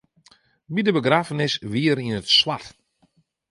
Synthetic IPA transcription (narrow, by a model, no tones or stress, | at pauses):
bidəbəɡraːfənɪsʋiəɾinətswat